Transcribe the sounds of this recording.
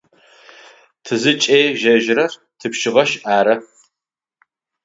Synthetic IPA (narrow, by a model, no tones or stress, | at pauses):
tʰɨzɨt͡ʃʼeːʒɐʒrɐr | tʰɨpʃɪʁɐʃaːɾɐ